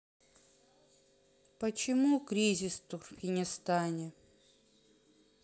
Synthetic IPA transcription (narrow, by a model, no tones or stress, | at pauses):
pət͡ɕɪmukɾʲizʲɪst̪ʊrmʲɪnʲɪst̪anʲɪ